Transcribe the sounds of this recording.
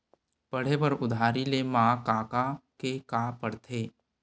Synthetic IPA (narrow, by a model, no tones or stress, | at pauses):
pɐɽ̤ebəɾʊd̪ʱaːɾilemãːkaːkakekaːpəɽt̪ʰeː